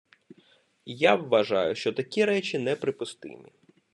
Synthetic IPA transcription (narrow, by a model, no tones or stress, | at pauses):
jaʋːɐʒɑ̰jʊʃt͡ʃɔt̪ɐkʲiɾɛt͡ʃʲinɛpɾɪpʊst̪ɪ̰mʲḭ